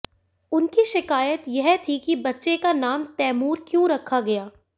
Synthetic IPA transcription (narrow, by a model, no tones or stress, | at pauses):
ʊnkiʃɪkaːjət̪jɛɦt̪ʰikibɐtːʃekanaːmt̪ɛːmuːɾkjõɾɐkʰːaɡɐjaː